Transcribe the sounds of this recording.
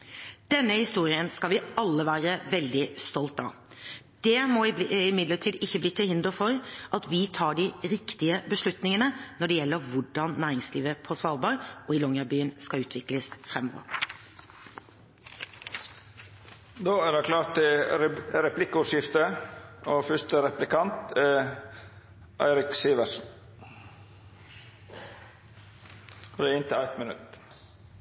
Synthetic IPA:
d̪̥ɛnːəhɪst̪uːɾɪənskɑlʋɪɑlːəʋæːɾəʋɛld̪ɪst̪ɔlt̪ɑ̰ | d̪̥ɛmɔɪɪmɪd̪ləʈʰiːd̪ɪçːəbliːt̪ʰɪlhɪnd̪əfɔɾʔɑt̪ʰʋɪt̪ʰɑːɖɪɾɪkt̪ɪəbəʂlʉt̪nɪŋənənɔɖɛjɛlːəɾʋʊɖɑnnæːɾɪŋsliːʋəpʰɔsʋɑːlbɑɾʔɔɪlɔŋəbyːənskɑʉːt̪ʰʋɪkləsfɾɛmɔ̰ʋə̰ɾ | d̪oːæɾɖækʰlɑːʈ̪ə | ɾɛplɪkːəʉʂjɪft̪əoːfʏʂt̪əɾɛplɪkɑnt̪ɛ | ʔæ̰ɪɾɪksiːʋəsn̩ | d̪ɛːɪnt̪əæɪt̪mɪnʉ̰t̪

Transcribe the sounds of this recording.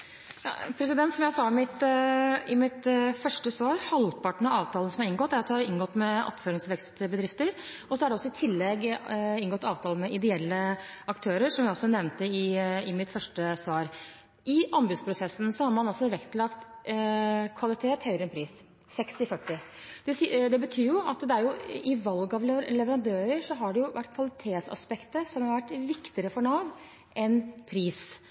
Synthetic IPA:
jɑ̰ːpʰɾɛsɪd̪ɛnt̪sɔmjæsɑmɪt̪ | ɪmɪt̪fœʂʈəsʋɑːɾhɑlpʰɑʈəɳ̩ɑɑːʋt̪ʰɑːlənsɔmɑɾɪnɡɔt̪ːæɾɑt̪d̪ɛhɑɾɪnɡɔt̪ːmɛɑ̰t̪føːɾɪŋsʋɛkst̪bəd̪ɾɪft̪əɾ | ɔsɔæɾɖɛɔsːɔɪt̪ʰɪlːɛɡɪnɡɔt̪ːɑːʋt̪ʰɑːlən̩mɛʔɪd̪ɛɛlːəʔɑkt̪ʰøːɾəɾʂɔmjæɪɔsːɔnɛʋnt̪əɪɪmɪt̪fœʂʈəsʋɑːɾ | ʔɪʔɔmbʉd̪spʰɾʊsɛsːn̩sɔhɑɾmɑnɑlsɔʋɛkt̪ʰlɑkt̪ | kʰʋɑlɪt̪ʰeːt̪hœʏɾəɛnpʰɾiːs | sɛkst̪ɪfœʈːɪ | d̪̥ɛd̪ɛbət̪ʰyːɾjʊɑt̪d̪ɛæɾjʊɪʋɑlɡɑʋ̪lɛʋəɾɑnd̪øːɾəɾʂɔɦɑɖɛjʊʋæʈːkʰʋɑlɪt̪ʰeːt̪sɑ̰spɛkt̪əsɔmhɑɾʋæʈːʋɪkt̪ɪəɾəfɔɳɑːʋ | ʔɛnpʰɾiːs

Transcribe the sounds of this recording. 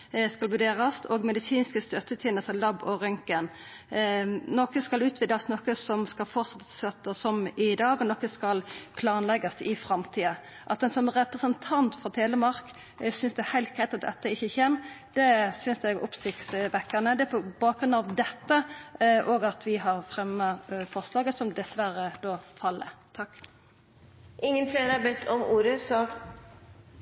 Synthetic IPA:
skɑlbʉd̪eːʁɑst̪ʰɔːɡmɛd̪ɪsiːnskəst̪œt̪ːət̪ʰɛːnəsəlɑbɔɾʏŋkən | nɔkəskɑlʉːt̪ʰʋɪd̪ɑsnɔkəsɔmskɑlfɔʁt̪sɑt̪ːə̥sœt̪ːəsɔmɪd̪ɑːɡɔnɔkːəskɑlpʰlɑːnlɛɡɑsɪfɾɑmt̪ʰiːə | ʔɑt̪d̪ɛnsɔmʁɛpɾəsənt̪ʰɑnt̪fɔt̪ʰeːləmɑʁk | sʏnsd̪ɛæhæɪlt̪̚ɡ̥ʁæɪt̪ɑt̪̚d̪ɛ̰t̪ːəɪçːəçeːmd̪̥ɛsʏnsd̪ɛɡʊ̰psɪkt̪sʋɛkːəʁnəd̪ɛæpʰɔbɑːk̚ɡɾʉnd̪ɑʋd̪ɛt̪ːəʔoːɡɑt̪ʰʋɪɦɑʁfʁɛmːəfɔʁslɑːɡəsɔmd̪ɛsʋæɾəd̪oːfɑlːə̰t̪ʰɑkː | ʔɪŋːənpʰlenəɑbɛt̪ʰːɔmuːɾəsɑːkt̪

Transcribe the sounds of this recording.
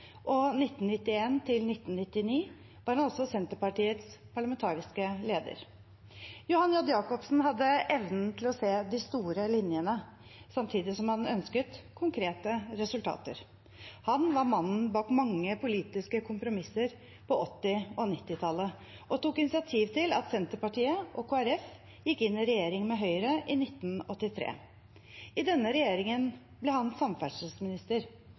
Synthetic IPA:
ʔɔnɪt̪ːnnɪt̪ːɪeːnt̪ʰɪlnɪt̪ːnnɪt̪ːɪniː | ʋɑɾhɑnɔsɔsɛnt̪əpɑʈiːət̪spʰɑɭɑmɛnt̪ʰɑːɾɪskəleːd̪ə̰ɾ | jʊhɑnjɔd̪jɑːkɔpsn̩ɦɑd̪ːəʔɛʋnn̩t̪ʰɪlɔseːd̪ɪst̪uːɾəlɪnjənə | sɑmt̪ʰiːd̪ɪsɔmhɑnœnskət̪kʰʊŋkʰɾeːt̪əɾɛsʉlt̪ʰɑ̰ːt̪ə̰ɾ | hɑnʋɑɾmɑnn̩bɑːkmɑŋːəpʰʊliːt̪ɪskəkʰʊmpɾʊmɪsːəɾ | pʰɔɔt̪ːɪɔnɪt̪ːɪt̪ʰɑlːə | ʔɔt̪ukɪnɪsɪɑt̪ʰiːʋt̪ʰɪlɑ̰t̪sɛnt̪əɾpɑʈiːəʔɔkʰoːæɾɛf | jɪkːɪnːɪɾɛjeːɾɪŋmɛɦœʏɾəʔɪnɪt̪ːn̩ɔt̪ːɪt̪ʰɾḛː | ɪd̪ɛnːəɾɛjeːɾɪŋən | blɛhɑnsɑmfæʂəsmɪnɪst̪əɾ

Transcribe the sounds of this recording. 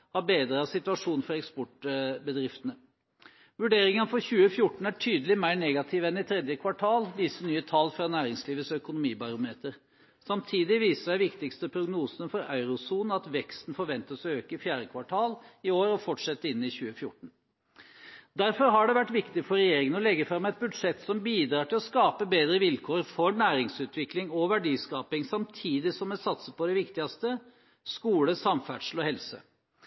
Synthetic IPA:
hɑbeːd̪ɾəɑsɪt̪ʉʋɑʂuːnfɔɾɛkspɔʈbəd̪ɾɪft̪ənə | ʋʉɖeːɾɪŋənfɔɾçʉːəfjʊʈɳ̩æʈʰyːd̪əlɪmæɪɾɳɛːɡɑt̪ʰɪʋɛnɪt̪ʰɾɛd̪jəkʰʋɑʈʰɑːlʋiːsənyːət̪ʰɑlːfɾɑnæːɾɪŋsliːʋəsɔœkʊnʊmiːbɑɾʊmeːt̪əɾ | sɑmt̪ʰiːd̪ɪʋiːsəʂæɪʋɪkt̪ɪkst̪əpʰɾʊɡnuːsənəfɔɾɑ̰ʉɾʊsuːnn̩ɑt̪ʋɛkst̪n̩fɔɾʋɛnt̪əsɔøːkəɪfjæːɾəkʰʋɑʈʰɑːlɪoːɾɔfɔʈʂɛt̪ːəɪnːɪçʉːəfjʊʈɳ̩ | d̪æɾfɔɾɦɑɖɛʋæʈːʋɪkt̪ɪfɔɾɛjeːɾɪŋənɔlɛɡːəfɾɑmːɛɪt̪̚bʉd̪ʂɛt̪ːsɔmbiːd̪ɾɑːʈɪlɔskɑːpəbeːd̪ɾəʋɪlkʰoːɾfɔɾɳæːɾɪŋsʉːt̪ʋɪklɪŋɔʋæɖiːskɑːpɪŋsɑmt̪ʰiːd̪ɪsɔmɛsɑt̪səpʰɔd̪ɛʋɪkt̪ɪɑst̪ə | skuːləsɑmfæɖʂl̩ɔhɛlsə̰

